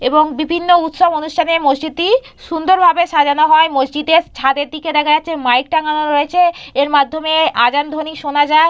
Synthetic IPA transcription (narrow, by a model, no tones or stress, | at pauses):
eboŋbibʱinːout̪ʃobonuʃʈʰanemod͡ʑd͡ʑit̪i | ʃund̪oɾbʱabeʃad͡ʑanoɦɔemod͡ʑd͡ʑid̪et͡ɕʰad̪eɾd̪iked̪ɛkʰad͡ʑat̪ːɕʰemajk̚ʈaɡanoɾoet͡ɕʰeeɾmad̪ʱːomead͡ʑand̪ʱoniʃonad͡ʑae